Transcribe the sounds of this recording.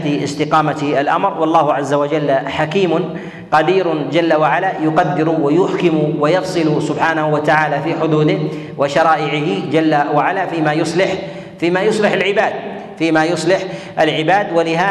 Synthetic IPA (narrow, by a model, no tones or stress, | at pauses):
t̪iɪ̰st̪ɪqɑːmat̪alʔa̰mɾwɑlˤːɑːhʊʕazːawad͡ʒalːħakiːmʊn | qɑd̪iːɾʊd͡ʒalːawaʕalajʊqɑd̪ːɪɾwajʊħkɪmʊwajɑfsˤɨlusʊbħaːnahuwat̪aʕaːlafiːħʊd̪uːd̪ɪh | wɪʃɑɾˤɑːʔɪʕɪhɪd͡ʒalːawaʕalaːfiːmajʊsˤlɪħ | fiːmaːjʊsˤlɪħalʕɪbaːd̪̚ | fiːmaːjʊsˤlɪħ | ʔalʕɪbaːd̪walɪɦaː